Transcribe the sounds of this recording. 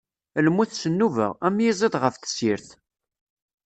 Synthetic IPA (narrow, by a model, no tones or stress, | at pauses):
lmuθsənːuvə̰ʁæmjizˤiðʁəfθə̥siɾθ